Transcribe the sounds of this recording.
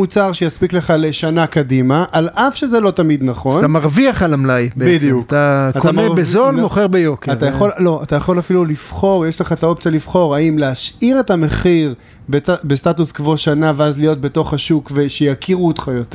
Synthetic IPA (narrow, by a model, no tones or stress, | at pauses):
mut͡saʁʃejaspikle̞χaleʃanakadimaʔalʔafʃezelo̞tamid̪naχo̞ntamaʁviaχalamlajbidijukt̪aatk̪amebezolmoχeʁbejokeaʁajaχo̞llo̞atajaχo̞lafilulifχo̞ʁjeʃleχaet̪aop̚t͡sjalifχo̞ʁaimleaʃʔiʁe̞tame̞χiʁ | beabestatuskvo̞ʃanaveazlijo̞t̚be̞to̞χhaʃukveʃejakʰiʁuot̪χajot̪e